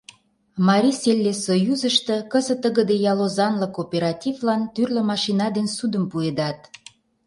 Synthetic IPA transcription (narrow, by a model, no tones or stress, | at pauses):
mɑɾʲiselʲːesojuzəʃt̪ə̆kəzə̆t̪ːəɣə̆d̪ejɑlozɑnlə̆kopeɾɑt̪ʲivlɑnt̪yrlə̆mɑʃinɑd̪ensud̪əmpued̪ɑt̪